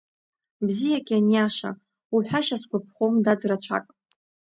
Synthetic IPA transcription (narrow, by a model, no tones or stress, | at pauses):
bzijakʲʼianjaʂa̰ | wiħʷᶣaʃasɡʷapʰχomdadrat͡ɕʷʰa̰kʼ